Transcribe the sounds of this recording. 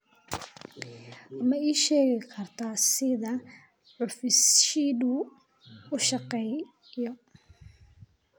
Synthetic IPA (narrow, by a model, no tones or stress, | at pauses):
mɐiːʃɛːɣɪkʰɐrt̪ʰasɪðɐ | ʕʊfɪsʃidu | ʊʃɑqɛj | jɔ